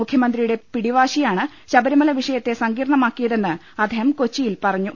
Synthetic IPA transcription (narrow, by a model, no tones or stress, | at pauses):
mukʰjɐmɐnd̪rijuɽe̞piɽiʋaːɕijaːɳɨ | ɕɐbɐɾumɐlɐʋiʂɐjɐt̪ːe̞sɐŋɡiːɾɐɳɐmaːkːijɐðe̞nːɨ | ɐd̪ʱɐjɐmkot͡ɕːijilpɐrɐɲːu